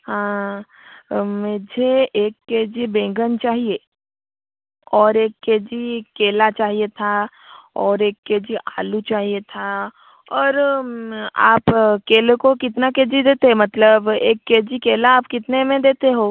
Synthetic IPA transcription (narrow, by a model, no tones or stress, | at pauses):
hãː | meːd͡ʒʱeeːkːeːd͡ʒibẽːŋɡənt͡ʃaːɦieː | ɔːɾeːkːeːd͡ʒikeːlat͡ʃaːɦiet̪ʰa | ɔːɾeːkːeːd͡ʒiʔaːlut͡ʃaːɦiet̪ʰa | ɔːɾ | a̰ːpkeːlekokɪt̪nakeːd͡ʒid̪eːt̪eɦɛmɐt̪ləbeːkːeːd͡ʒikeːlaːpkɪt̪nemẽd̪eːt̪eɦoː